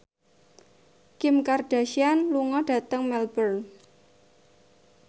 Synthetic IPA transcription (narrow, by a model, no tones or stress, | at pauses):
kɪmkard̥a̤ʃianluŋɔd̥a̤t̪əŋmɛlbər